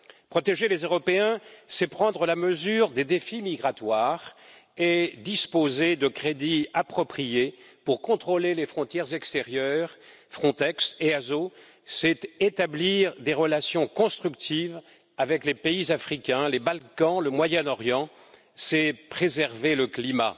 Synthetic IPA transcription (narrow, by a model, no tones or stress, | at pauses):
pχɔt̪eʒelezøʁɔpeɛ̃sɛpχɑ̃d̪ʁəlaməzyʁd̪ed̪efimiɡʁat̪waːʁed̪ispozed̪əkχed̪iapχɔpχijepuʁkɔ̃t̪χolelefχɔ̃t̪jɛʁzɛkst̪eʁjœːʁ | fχɔ̃t̪ɛkseazo | sɛt̪et̪abliʁd̪eʁəlasjɔ̃kɔ̃st̪χykt̪ʰiv | avɛklepeizafχikʲɛ̃lebalkɑ̃ləmwajɛnɔʁjɑ̃ | sɛpχezɛʁveləklima̰